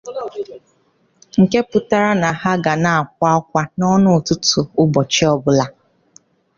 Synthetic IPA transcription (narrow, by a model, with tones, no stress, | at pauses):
ŋ̩˨ke˦pʊ˦ta˦ɾa˦na˨ha˦ɡa˨na˨a˨kʷa˦kʷa˦nɔ˦nʊ˦˨tʊ˦tʊ˨ʊ˦bɔ˨t͡ʃi˦ɔ˦bʊ˦la˦